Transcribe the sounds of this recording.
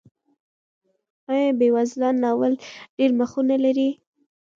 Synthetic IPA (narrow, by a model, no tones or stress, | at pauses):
ɑjɑbewazlɑnːɑwəlɖ̥eɾməxunalaɾi